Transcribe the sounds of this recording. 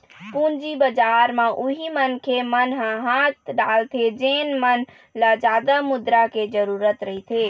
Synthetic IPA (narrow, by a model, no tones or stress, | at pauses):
pũnd͡ʒibəd͡ʒaɾmãʔuɦimənkʰemənɦãɦat̪ɖalt̪ʰed͡ʒenmən | lad͡ʒad̪amud̪ɾaked͡ʒəɾuɾət̪ɾəɦit̪ʰe